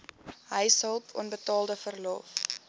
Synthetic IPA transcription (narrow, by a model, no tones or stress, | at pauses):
ɦəjsəlˠpʰɔ̰nbətɑːlˠdəfərlɔ̰ːf